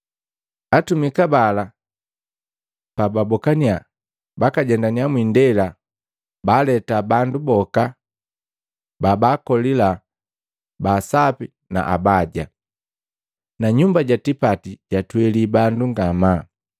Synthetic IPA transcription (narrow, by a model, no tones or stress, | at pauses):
atumikabala | pababɔkania | bakaɟɛndaniamwindɛla | balɛtabandubɔka | babakɔlila | basapi | na̰ʔa̰baɟa | naɲumbaɟatipatiɟatwɛlibanduŋɡama